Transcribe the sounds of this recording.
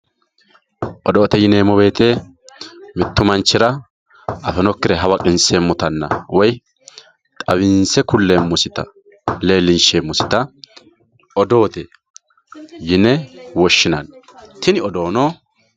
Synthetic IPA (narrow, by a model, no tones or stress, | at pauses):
ʔɔd̪o̞ːt̪ɛjɪneːmɔbe̞ːt̪e | mɪt̪ːʊmɐnt͡ʃːɪɾɐ | ɐfɛnɔkːɪɾɛɦɐwɐkʼɪnseːmːʊt̪ɐnːɐ̰wɔj | t̪ʼɐβɪnsɛkʊlːeːmːʊsɪt̪ɐ̰ | le̞ːlːɪnʃeːmːʊsɪ̥t̪ɐ | ɔd̪o̞ːt̪ɛ | jɪnɛwɔʃːɪnɐn | t̪ɪnɪɔd̪o̞ːnoː